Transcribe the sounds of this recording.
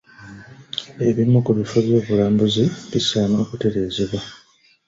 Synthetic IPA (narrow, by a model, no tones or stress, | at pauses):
e̞βimːukuβifo̞βjo̞ːβulaːmbuziβisaːmo̞ːkute̞ɾe̞ːzeβwa